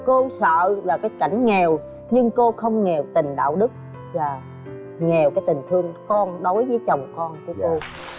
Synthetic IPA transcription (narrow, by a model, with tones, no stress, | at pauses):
ko˧sə̰ː˧˨laː˨˩kaː˨˦jka˧˩jŋ̟ŋɛ˨˩w | ɲɨ˧ŋko˧xə˧wŋ͡mŋɛ˨˩wt̪ï˨˩ŋ̟ɗa̰ː˧˨wɗɨ˦˥k̚ | vaː˨˩ | ŋɛ˨˩wkaː˨˦jt̪ï˨˩ŋ̟t̪ʰɨ˧əŋkɔ˧nɗo˨˦jvəː˨˦jt͡ɕə˨˩wŋ͡mkɔ˧nku˨˧˩əko˧